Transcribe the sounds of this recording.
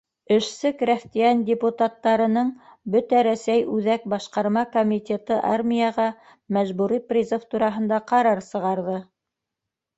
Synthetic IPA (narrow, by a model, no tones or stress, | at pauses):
ɘ̆ʃsɘkɾæft̪ʲijændʲɪput̪at̪ːɑɾɤ̆nɤɴbɵt̪æɾæsæjʉðæk̚bɑʃqɑɾmɑkomʲit̪ʲet̪ɤʔɑ̰rmʲijɑʁɑ | mæʒbuɾiprʲizoft̪uɾɑɦɤ̆nd̪ɑqɑɾɑɾsɤ̆ʁɑɾðɤ